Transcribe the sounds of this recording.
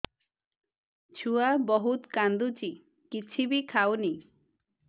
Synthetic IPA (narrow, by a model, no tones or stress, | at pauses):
t͡ʃʰuabɔɦut̪kand̪ut͡ʃi | kit͡ʃʰibikʰawni